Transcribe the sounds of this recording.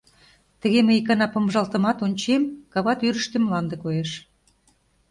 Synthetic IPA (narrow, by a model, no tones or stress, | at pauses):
t̪ə̆ɣemeikɑnɑpɤ̆mʒɑlt̪ə̆mɑt̪onʲt͡ɕemkɑβɑt̪yɾə̆ʃt̪emlɑnd̪ĕkojeʃ